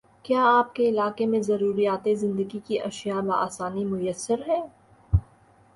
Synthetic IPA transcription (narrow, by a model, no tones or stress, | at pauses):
kjaːaːp̚keɪlaːkemẽzɐɾuːɾijaːt̪ezɪ̃nd̪əɡikiʔɐʃjabaa̰ːsaːnimʊjəsːəɾɦɛː